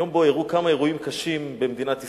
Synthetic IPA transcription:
o̞mbo̞eʁukamae̞ʁuimkaʃimbemed̪inat̪i

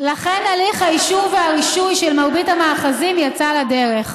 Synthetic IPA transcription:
laχenaliχhajiʃuveaʁiʃujʃelmaʁbithamaːχazimjat͡salade̞ʁeχ

